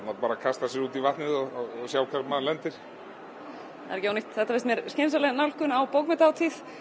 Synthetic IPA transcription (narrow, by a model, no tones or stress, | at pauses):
nat̪paːɾakʰast̪asjɛɾuːt̪ivaht̪nɪðɔɔsjaːwkʰaɾmalɛnt̪ɪɾ̥ | a̰ðɾɛcɪawnijht̪θɛht̪avest̪mjɛɾscensalɛɣnawlhkʏnawpowkmɛt̪awt̪ʰiθ